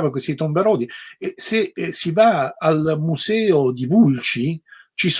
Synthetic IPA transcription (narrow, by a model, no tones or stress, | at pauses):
vak̬west̪it̪ombaɾɔːd̪isesivaalmuzɛːod̪ivult͡ʃi | t͡ʃis